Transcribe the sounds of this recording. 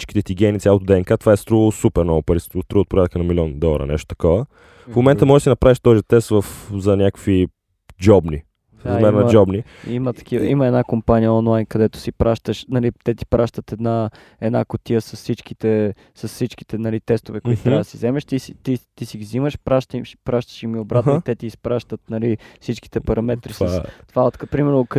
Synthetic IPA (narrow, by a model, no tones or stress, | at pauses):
it͡ʃki̥t̪ɛt̪iɡʲɛnit̪sʲalˠot̪od̪ɛːnkat̪ovaɛst̪ɾuɣəsupɛɾnɔvopɐɾisoft̪ɾuot̪̚pɾjat̪kənɐmiliɔnd̪ɔlˠɐɾə̰nɛ̰ʃt̪ot̪ɐ̥kɔvə | fmomɛnt̪əmɔʒɛʃsinɐpɾaviʃt̪ɔzit̪ɛst̪vɐfzɐnʲakəkvi | d͡ʒɔbni | fɾɐzmɛɾnɐd͡ʒɔbni | imət̪ɐ̥kivəiməɛd̪nakompanijəɔnlˠajnkɐd̪ɛt̪ʊ̥sipɾaʃt̪əʃnɐlit̪ɛt̪i̥pɾʔaʃt̪ət̪ɛd̪na | ɛd̪nakot̪ijəsɐsːit͡ʃk̟i̥t̪ɛ | sɐsːit͡ʃki̥t̪ɛnɐlit̪ɛst̪ovɛkʊit̪ʊt̪ɾabd̪əsizɛmɛʃt̪isit̪it̪isiɡiziməʃpɾaʃt̪ʃpɾaʃt̪ə̥ʃimiobɾat̪t̪ɛt̪iːspɾaʃt̪ət̪nɐlifsit͡ʃki̥t̪ɛpɐɾɐmɛt̪ɾisat̪ovaot̪kpɾimɛɾnok